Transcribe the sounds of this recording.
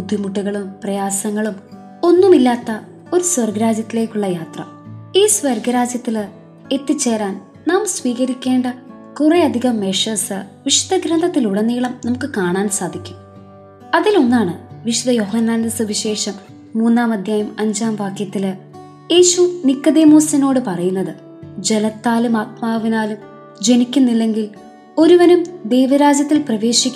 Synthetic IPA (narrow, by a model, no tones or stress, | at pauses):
bud̪ʱjumuʈːuɣɐɭumprɐjaːsɐŋːɐɭum | o̞nːumilːaːt̪ːɐ | o̞ɾusʋɐrɡɐɾaːd͡ʑjɐt̪ːile̞ːkʲːuɭːɐjaːt̪rɐ̰ | iːsʋɐrɡɐɾaːd͡ʑjɐt̪ːil | e̞t̪ːit͡ɕːe̞ːraːn | naːmsʋiːɣɐɾikʲːe̞ːɳɖɐ | kureɐd̪ʱiɣɐmːeʂɐsɨʋiʂu̥d̪ɐɡɾɐnd̪ʱɐt̪ːiluɽɐnːiːɭɐmnɐmukːɨkaːɳaːnsaːd̪ʱikʲːum | ɐðilo̞nːaːɳɨʋiʂud̪ɐjo̞ɦɐnːaːndɐsɨʋiɕe̞ːʂɐmː | uːnːaːmɐd̪ʱjaːjɐmɐɲd͡ʑaːmʋaːkjɐt̪ːilɨ | je̞ːɕunikːɐd̪e̞ːmuːsɐno̞ːɽɨpɐrɐjunːɐðɨ | d͡ʑe̞lɐt̪ːaːlumaːt̪̚maːʋinaːlum | d͡ʑe̞nikʲːunːilːe̞ŋɡil | o̞ɾuʋɐnumd̪e̞jʋɐɾaːd͡ʑjɐt̪ːilprɐʋe̞ːɕikʲː